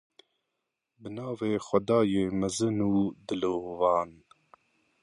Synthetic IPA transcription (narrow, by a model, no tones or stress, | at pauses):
bənɑːveːxʷɛd̪ɑːjeːmɛzɨnuːd̪ɨloːvɑːn